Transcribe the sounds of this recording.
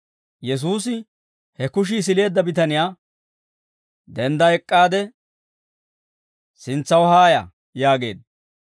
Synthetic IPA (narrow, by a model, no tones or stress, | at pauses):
jɛs̬uːsɪ | hɛkʊʃ̬ɪːs̬ɪle̞ːd̪ːɐbɪt̪ɐnɪjaː | d̪ɛnd̪ɐɛkʼːaːd̪ɛ | sɪnt͡sːɐwhaːjɐ̰ | jaːɡe̞̰ːd̪